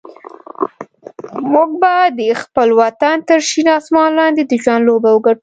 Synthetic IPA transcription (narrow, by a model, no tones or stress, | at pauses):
muk̚bad̪əxpəlwat̪ant̪əɾʃinɑsmɑnlɑnd̪ed̪əʒwand̪lobawəɡaʈ